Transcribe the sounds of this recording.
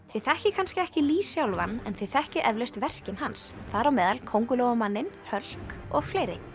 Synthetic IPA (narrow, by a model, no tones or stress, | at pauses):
θɪθɛhcɪkʰanscɪɛhcɪliːsjawlvanːɛ̰nθɪθɛhcɪʔɛvleɥst̪vɛr̥cɪnhansθaɾawmɛːðalkʰowŋkʏlɔɣʏmanːɪnhœl̥kɔɣfleːjɾɪ